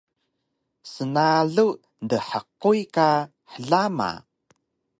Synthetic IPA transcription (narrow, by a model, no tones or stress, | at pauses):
sənaɮu | ndəħəqujka | ħəɮama̰